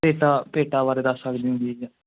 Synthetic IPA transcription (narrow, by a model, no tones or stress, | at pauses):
eːʈaːpeːʈaːbaːɾeːd̪əsːəkd̪iːɦʊ̃nd̪iːd͡ʒã